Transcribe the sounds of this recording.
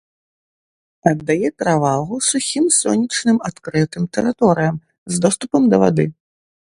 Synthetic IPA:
ɐd̪ːajɛt̪ɾavalˠɣusuxʲimsɔnʲit͡ʂnɨmat̪kɾɨt̪ɨmt̪ɛ̰ɾɨt̪ɔɾɨjɐm | zd̪ɔst̪upɐmd̪ɐva̰d̪ɨ

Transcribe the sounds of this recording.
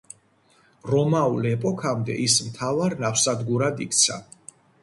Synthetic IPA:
ɾɔmaulɛpʼɔkʰamd̪ɛ̰ʔismt̪ʰavaɾnafsad̪ɡuɾad̪ikʰʼt̪sʰa̰

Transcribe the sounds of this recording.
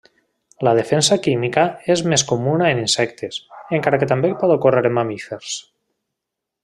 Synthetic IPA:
lað̞efensakimikaezmeskomunaeninsɛkt̪eseŋkaɾaket̪ambepɔðokoreɾemamifeɾs

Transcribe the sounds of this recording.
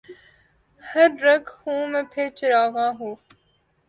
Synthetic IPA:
həɾːɐkhũːmẽːpʰɪɾt͡ʃəɾaːʋãːɦoː

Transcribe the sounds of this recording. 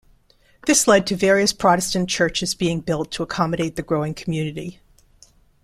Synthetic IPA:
ðɪslɛd̚tʰɨvɛɹiɨspʰɹ̥ɑɾɨstɨ̃n̩t͡ʃʰɜ˞t͡ʃɨzbiɪ̃ŋbɪlˠtʰəəkʰɑmɨɾeɪt̪̚ðɨɡɹoʊɪ̃ŋkʰm̩jʉnɨɾi

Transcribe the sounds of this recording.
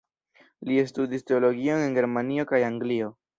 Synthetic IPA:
liestudiste̞o̞lo̞ɡio̞ne̞nɡe̞ɾmanio̞kajaŋɡlio̞

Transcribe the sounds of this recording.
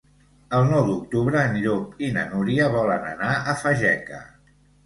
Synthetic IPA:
əlˠnɔwd̪uk̚t̪uβɾəːniɾopinə̰nuɾiəβɔlənə̰naəfəʒɛkə̰

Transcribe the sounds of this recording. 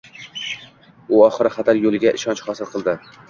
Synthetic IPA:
ʊɒχɨɾɪχat̪ʰaɾjolˠɪɡʲaʔɪʃɒnt͡ʃχɒsɪlˠqʰɨlˠd̪ɪ

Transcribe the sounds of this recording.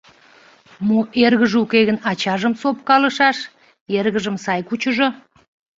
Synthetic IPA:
muʔerɣəʒukeɣənɑt͡ɕɑʒəmsop̚kɑləʃɑʃ | erɣəʒəmsɑjkut͡ɕəʒo

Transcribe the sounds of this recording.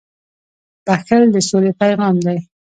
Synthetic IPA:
b̪̥axəld̪əsolepajɣɑmd̪aj

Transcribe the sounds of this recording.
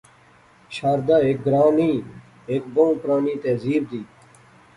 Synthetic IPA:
ɕaːɾd̪aːek̚ɡɾaːniː | eːk̚bõpɾaːniːt̪eːziːbd̪iː

